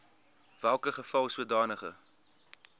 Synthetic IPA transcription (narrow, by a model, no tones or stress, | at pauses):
vælˠkəχəfɐlˠsuədɑːnəχə̰